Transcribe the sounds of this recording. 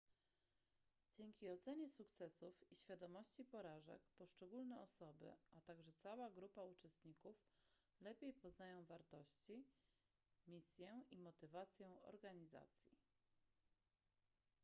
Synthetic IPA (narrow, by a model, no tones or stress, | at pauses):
d͡ʑɛŋʲkʲiɔt̪sɛɲɛsukt̪sɛsufiɕfʲjad̪ɔmɔɕt͡ɕipɔɾaʐɛ̰kpɔʂt͡ʂɛɡulnɛɔsɔbɘ̰ʔat̪aɡʐɛt̪sawaɡɾupaut͡ʂɛst̪ɲikuf | lɛpʲjejpɔznajɔ̃w̃vaɾt̪ɔɕt͡ɕi | mʲisʲjɛimɔt̪ɘvat̪sʲjɛ̃w̃ɔ̰ɾɡaɲiza̰t̪sʲjḭ